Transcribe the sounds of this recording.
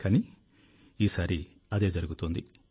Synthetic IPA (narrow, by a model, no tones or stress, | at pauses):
kɐni | iːsaːɾi | ɐd̪e̞ːd͡ʒɐɾuɡut̪oːnd̪i